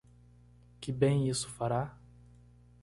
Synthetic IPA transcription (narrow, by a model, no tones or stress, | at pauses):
kɪbẽj̃isʊ̥faɾa